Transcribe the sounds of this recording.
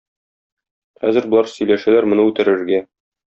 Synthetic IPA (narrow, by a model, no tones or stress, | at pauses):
χæ̰zɘ̆ɾbŏlˠɑɾsɵ̆jlæʃælæɾmŏnɤʉt̪æɾɘ̆ɾɡæ